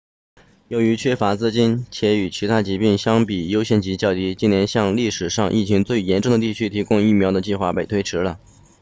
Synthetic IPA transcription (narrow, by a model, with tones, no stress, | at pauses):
jo˧˥ʊy˧˥t͡ɕʰɥɛ˥fa˧˥t͡sɹ̩˥t͡ɕi˥nt͡ɕʰjɛ˧˥y˨˩t͡ɕʰi˧˥t̪ʰa˥t͡ɕi˧˥pi˥˩ŋɕjɑ˥ŋpi˨˩jo˥ʊɕjɛ˥˩nt͡ɕi˧˥t͡ɕjɑ˥˩ʊt̪i˥t͡ɕi˥njɛ˧˥nɕjɑ˥˧ŋli˥˩ʂɻ̩˨˩ʂɑ˥˧ŋʔḭ˥˩t͡ɕʰi˧˥ŋt͡swe˥˩ɪjɛ˧˥nʈ͡ʂʊ˥˩ŋd̪ə˩t̪i˥˩t͡ɕʰy˥t̪ʰi˧˥kʊ˥ŋi˥˩mjɑ˧˥ʊd̪ə˧t͡ɕi˥˧xwa˥˩pe˥˩ɪt̪ʰwɪʈ͡ʂʰɻ̩˧˥lə˧